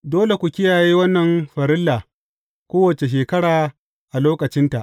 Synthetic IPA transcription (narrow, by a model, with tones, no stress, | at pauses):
doː˦le˨kʷu˨kʲɪ˦jaː˨jiː˦wɐ˦nːɐ˨mɸɐ˨ɾɪ˦lːaː˨ | kʷoː˦wɐ˨t͡ʃe˨ʃ̬eː˨kɐ˦ɽaː˨ | ʔa˨loː˦kɐ˨t͡ʃɪ˦nta˨ʔ